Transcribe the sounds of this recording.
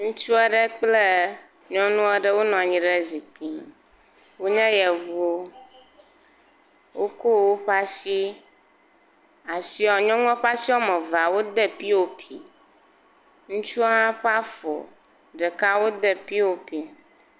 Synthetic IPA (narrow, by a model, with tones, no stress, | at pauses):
ŋũ˦t͡ʃu˦ɛ˦ɖə˦k͡ple˦ | ɲɔ̃˦nũ˦ɛ˦ɖə˦wo˦nɔ̃˨a˨ɲĩ˦ɖə˦zi˨k͡pi˦˨ | wo˦ɲɛ̃˦jɛ˨vo˦ | wo˦ko˦˨wo˦ɸa˦si˦ | a˨si˦ɔ˨ɲɔ̃˦ŋũ˦ɔ˦ɸa˦si˦ɔ˦mɛ˨va˨wo˦d̪ə˦pi˦wo˦pʰḭ˨ | ŋũ˦t͡ʃu˦a˦ɦã˦ɸa˦fɔ̰˨ | ɖə˨ka˦wo˦d̪ə˦pi˦wo˦pi˨